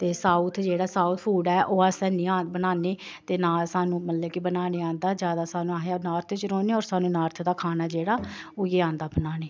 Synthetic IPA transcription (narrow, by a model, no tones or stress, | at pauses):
t̪eːsaːut̪ʰd͡ʒeːɽaːsaːuːt̪ʰpʰuːɖɛːʔoːasɛ̃ːnĩːaːbənaːneː | t̪eːnaːlsaːnũːmələbkɪbənaːneːãːnd̪aːd͡ʒjaːd̪aːsaːnũːaːɦjaːnaːɾt̪ʰt͡ʃɾoːneːɔːɾsaːnũːnaːɾt̪ʰd̪aːkʰaːnaːd͡ʒeːɽaːoːjeːãːnd̪aːbənaːneː